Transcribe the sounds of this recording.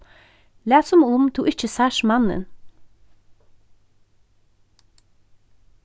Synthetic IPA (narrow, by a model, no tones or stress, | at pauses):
læːsɔmʊmt̪ʰuːʔɪc͡çəsæʃmɑnə̰n